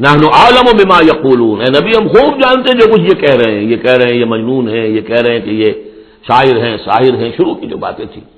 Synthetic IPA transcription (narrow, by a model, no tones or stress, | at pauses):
nɐhnoʔaːlɐmobɪmaːjɐquːluːnɛ̃ːnɐbiɦɐmxuːb̚d͡ʒaːnt̪eɦɛ̃d͡ʒoːkʊt͡ʃʰjekɛɦɾɐɦẽɦɛ̃jekɛɦɾɐɦẽjemɐd͡ʒnuːnɦɛ̃jekɛɦɾɐɦɛ̃keje | ʃaːɦɪɾɦɛ̃ːsa̰ːɦɪɾɦɛ̃ʃʊɾukid͡ʒo̰ːba̰ːt̪ẽt̪ʰḭ̃ː